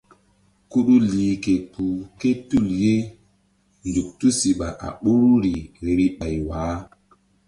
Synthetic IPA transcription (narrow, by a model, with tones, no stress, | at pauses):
ku˦ɗu˦liː˨ke˨ku˨ke˦tu˦˨lje˦ | ndu˨k̚tu˦si˨ɓa̰˨ʔa̰˨ɓu˦ɾu˦ɾi˨ɾi˦ɓa˨jwaː˨˦